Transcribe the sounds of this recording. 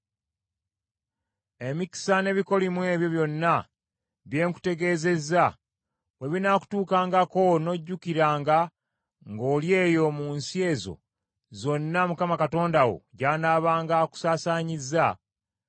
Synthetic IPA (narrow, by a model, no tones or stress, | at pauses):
e̞miki̥sane̞βiko̞limwe̞ːβjo̞βjo̞nːa | βje̞ːŋku̥te̞ɡe̞ːze̞za | we̞βinaːku̥tuːkaːŋɡako̞no̞ɟːukiɾaːŋɡa | ŋɡo̞ːlje̞ːjo̞muːnsie̞ːzo̞̰ | zo̞nːamukamakato̞ːndawo̞̰ɟaːnaːβaːŋɡaku̥saːsaːɲizːa